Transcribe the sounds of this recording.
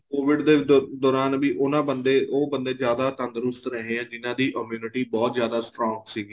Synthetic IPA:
koːʋɪɖd̪eːd̪ɔːɾaːnbiːʔʊnãːbənd̪eːʔoːbənd̪ẽːzjaːd̪aːt̪ə̃nd̪əɾʊst̪ɾəɦẽːɛ̃ːd͡ʒɪnãːd̪iːʔəmjuːnɪʈiːbɔːt̪zjaːd̪aːsʈɾɔːŋɡsiːɡiː

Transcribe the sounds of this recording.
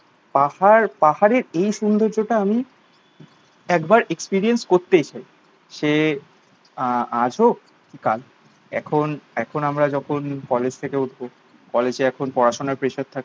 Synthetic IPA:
pahaɾpahaɾeɾejʃund̪oɾd͡ʑoʈaami | ɛkbaɾekspiɾienskoɾt̪et͡ɕaj | ʃe | ad͡ʑʱo | kikal | ɛ̰kʰonɛkʰonamɾad͡ʑɔkʰonkɔled͡ʑt̪ʰekeuʈʰbo | kɔled͡ʑeɛkʰonpɔɾaʃonaɾpɾeʃaɾt̪ʰːake

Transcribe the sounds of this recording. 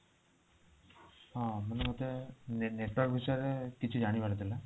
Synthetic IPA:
ɦãmənemot̪enneʈwɔɾk̚bʱisɾekit͡ʃʰud͡ʒaɽ̃ibaɾet̪ʰila

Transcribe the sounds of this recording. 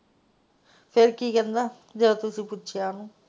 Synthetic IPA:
peɾkikind̪ɐ | d̪elɐt̪usiput͡ʃːjaːnu

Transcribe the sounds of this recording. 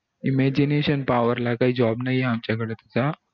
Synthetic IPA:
imed͡ʑineɕənpaʋəɾlakaɦiːd͡ʑɔbnajeamt͡ɕjakəɽeːt̪at͡sa

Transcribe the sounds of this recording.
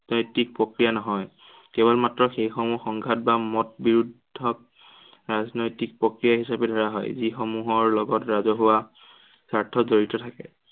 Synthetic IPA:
nɔjtik̚pɹɔkɹijanɔɦɔj | kɛβɔlmatɹɔxejxɔmuxɔŋɡʱat̚bamɔtbiɹudʱːɔk̚ | ɹaznɔjtik̚pɹɔkɹijaɦisabɛdʱɔɹaɦɔ̰jzixɔmuɦɔɹlɔɡɔtɹazɔɦʊwa | saɹtʰːɔzoɹitɔtʰakɛ

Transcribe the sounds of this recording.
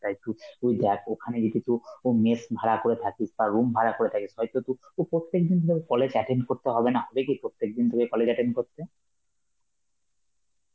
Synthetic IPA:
t̪ajt̪uujd̪ɛkʰokʰaned͡ʑit̪it̪uomesbʱaɾakoɾet̪ʰakisbaɾumbʱaɾakoɾet̪ʰakisɦɔjt̪ot̪uopɾot̪ːek̚d̪ind̪ʱoɡekɔled͡ʑɛʈeɳɖkoɾt̪eɦɔbenaɦɔbekipɾot̪ːek̚d̪ind̪ʱokekɔled͡ʑɛʈeɳɖkoɾt̪e

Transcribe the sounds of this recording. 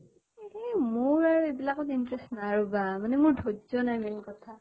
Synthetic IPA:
emʊɹaɹuebilakɔtintɹɛstnaɹubamanɛmʊɹdʱozɔnajmɛnikɔtʰa

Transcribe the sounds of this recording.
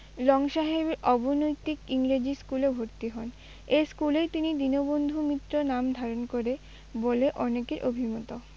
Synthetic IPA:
lɔŋʃaɦebɔbonojt̪ikiŋɾed͡ʑiskulebʱoɾt̪iɦɔn | eskulet̪inid̪inobond̪ʱumit̪ːɾonamd̪ʱaɾonkoɾe | boleʔɔnekeɾʔobʱimɔt̪o

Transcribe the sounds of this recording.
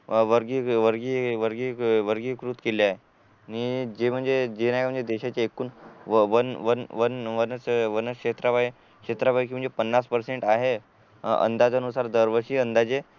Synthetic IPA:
ʋəɾɡiʋəɾɡiʋəɾɡiʋəɾɡiːkɾut̪keljaɦe | nid͡ʑem̤əɳd͡zed͡ʑenam̤əɳd͡zed̪eɕat͡ɕaekuːnʋənʋənʋənʋənəʋənəkʂet̪ɾaʋaj | kɕet̪ɾapak̬iːm̤əɳd͡zepənːaspəɾseɳʈaɦe | ə̰nd̪ad͡zənusaɾd̪əɾʋəɕiːənd̪ad͡ze

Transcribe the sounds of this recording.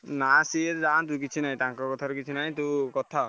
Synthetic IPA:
nasieɾd͡ʒant̪̬ũk̬it͡ʃʰinaĩt̪aŋkɔkɔt̪ʰaɾukit͡ʃʰinaĩt̪ukɔt̪ʰa

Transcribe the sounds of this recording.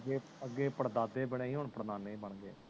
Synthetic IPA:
ɡeː | əɡːeːpəɽd̪aːd̪eːbɪɽẽːiːɦʊɳpɾəd̪aːnːeĩːbəɳɡḛː

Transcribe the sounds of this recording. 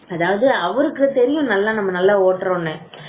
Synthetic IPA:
ɐðaːʋɐðɯɐʋɐɾɯkːɯɯt̪ɛɾɪjʊ̃nɐlːãːnɐmːɐnɐlːaːoːʈːɾõːɳːẽː

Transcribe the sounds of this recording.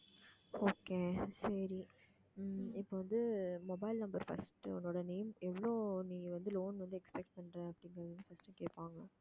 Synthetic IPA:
oːkeːsɐɾi | ɪpːoʋɐnd̪ɯmɔbɐɪlnɐmbɐɾfɐ̰sʈɔnːoːɽɐneːmɛʋɐɭoːnĩːʋɐnd̪ɯloːnʋɐnd̪ɯɛkspɛk̚ʈ̚pɐɳɖɾẽɐpːɐɽɪŋɡɾɐðnːɯfɐsʈːɯkeːʈpaːŋɡɐ

